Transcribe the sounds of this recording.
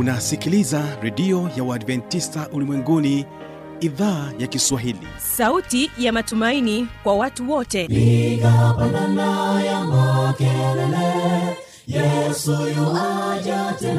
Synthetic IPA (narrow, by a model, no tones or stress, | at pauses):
unasikilizaɾɛɗiɔjawaadvɛntistaʔulimwɛŋɡuni | iðaːjakiswaɦilḭ | sautijamatumainikwawatuwɔtɛikapananajamakɛlɛlɛ | jɛsujuad͡ʒatɛ